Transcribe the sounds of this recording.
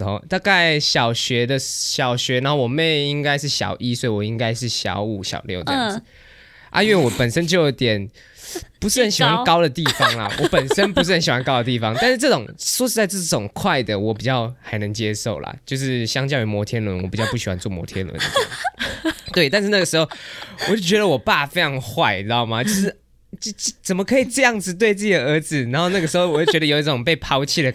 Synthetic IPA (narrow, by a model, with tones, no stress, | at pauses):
o˧ʊt̪a˥˧ka˥˩ɪɕjɑ˨˩ʊɕɥɛ˧˥d̪ə˧ɕjɑ˨˩ʊɕɥɛ˧˥na˧˦nxo˥˩ʊwɔ˨˩me˥˩ɪi˦ŋka˥ɪʂ̬ɻ̩˥˩ɕjɑ̰˨˩ʊʔi˥swɔ˧˥i˨wɔ˨˩i˥ŋka˥ɪʂɻ̩˥˩ɕjɑ̰˨˥ʊu˨˩ɕjɑ̰˨˩ʊljo˥˩ʊd̪əjɑ˩ŋd͡z̩˨˩˦ | ʔa̰˥˧i˥nwwɔ˨˩˦pə˨˩nʂə˥˦nt͡ɕo˥˧ʊjo˧˥t̪jɛ˨˩n | pu˧˥ʂɻ̩˥˩xə˧˦nɕi˨˩xwa˥nnkɑ˥ʊd̪ə˨t̪i˥˩fɑ˦ŋlɐ̰˨˩wɔ˧˦pə˨˩n˥ʂə˦˥npu˧˥ʂ̬ɻ̩˥˩ə˧nɕi˨˩wa˥nkɑ˥ʊd̪ə˨t̪i˥˩fɑ˨˦ŋt̪a˥˧nʂ̩˥˧ʈ͡ʂɤ˥˩ʈ͡ʂʊ˨˩ŋswɔ˥ʂɻ̩˥˧t͡sa˥˧ɪt͡sɤ˥˩ʈ͡ʂʊ˨˩ŋkʰwa˥˩ɪd̪ə˩wɔ˨˦˥p̬i˨˩t͡ɕjɑ˥˩ʊxa˧˥ɪnɤ˧˦ŋt͡ɕjɛ˥ʂo˥˩ʊlɐ̰˩t͡ɕjo˥˧ʊʂ̬ɻ̩˥˩ɕjɑ˥ŋt͡ɕjɑ˥˧ʊy˧˥mwɔ˧˥t̪ʰjɛ˥nlwə̰˧˦nwɔ˨˩pi˨˩t͡ɕjɑ˥˧pu˥˩ɕi˨˩wa̰˧˦nt͡swɔ˥˩mwɔ̰˧˥t̪ʰjɛ̰˥nlwə̰˦n̰˨˩˥ | t̪we˥˩ɪt̪a˥˧nʂɻ̩˥˧na˥˩ə˩ʂɻ̩˧˥xo˥˨ʊwɔ˨˩t͡ɕo˥˩ʊt͡ɕɥɛ˧˥ɾə˧˨wɔ˨˩pa˥˩fe˥ɪʈ͡ʂʰɑ˧˥ŋxwa˥˩ɪna˦ɔ˥˩ma˨˩t͡ɕjo˥˧ʊʂ̬ɻ̩˥˩ | t͡ɕt͡sə˨˩mə˦kʰɤ˧˥i˨˩ʈ͡ʂɤ˥˧jɑ˥˩ŋd͡zɹ̩˨t̪we˥˧ɪt͡sɤ˥˩ɕə˨ə˞˧˥d͡zɹ̩˨na˧˥nxo˥˧ʊna˥˩ɡə˩ʂɻ̩˧˥xo˥˧ʊwɔ˨t͡ɕo˥˩ʊt͡ɕɥɛ˧˥də˧jo˨˩ʊi˥˩ʈ͡ʂʊ˨˩ŋpe˥˩ɪpʰɑ˧˥ʊt͡ɕʰi˥˩d̪ə˩